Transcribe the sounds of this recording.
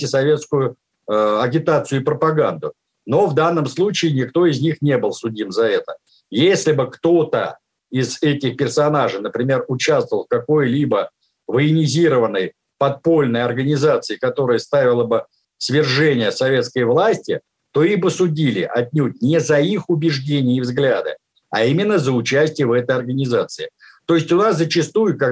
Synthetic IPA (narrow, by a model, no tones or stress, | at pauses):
ɪsɐvʲe̞t̪skʊjʊ | ɐɡʲɪt̪at̪sɨjʊɪpɾəpɐɡand̪ʊ | no̞vd̪anːəmslˠut͡ɕɪɪnʲɪkt̪o̞ɪzʲnʲixnʲe̞bɨlˠsʊdʲimzɐɛt̪ə | jesʲlʲɪbɨkt̪o̞t̪ə | ɪzɛtʲɪxpʲɪrsɐnaʐɨnəpɾʲɪmʲe̞rʊt͡ɕast̪vəvəlˠfkɐko̞jlʲibə | vəɪnʲɪzʲiɾəvənːɨj | pɐt̪̚po̞lʲnəjɐrɡənʲɪzat̪sɨɪkɐt̪o̞ɾəjəst̪avʲɪlˠəbɨ | svʲɪrʐɛnʲɪjəsɐvʲe̞t̪skəjvlˠasʲtʲɪ | t̪o̞ixbɨsʊdʲilʲɪʔɐt̪̚ʲnʲut̚ʲnʲɪzɐixʊbʲɪʐdʲenʲɪːvzɡlʲad̪ɨ̰ | ɐ̰imʲɪnːəzəʊt͡ɕæsʲtʲɪjəvɛt̪əjɐrɡənʲɪzat̪sɨɪ | t̪o̞ɪsʲtʲʊnaszət͡ɕɪst̪ujʊka